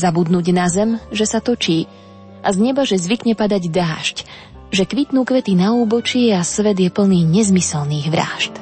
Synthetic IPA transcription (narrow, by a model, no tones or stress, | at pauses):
zabud̪nuːɟnazɛmʒɛsat̪ɔt͡ʃiː | ʔazɲɛbaʒɛzʋikɲɛpad̪aɟd̪aːʃc | ʒɛkʋit̪nuːkʋɛt̪inauːbɔt͡ʃɪɛasʋɛd̪jɛpl̩niːɲɛzmisɛlniːɣʋɾa̰ːʃt̪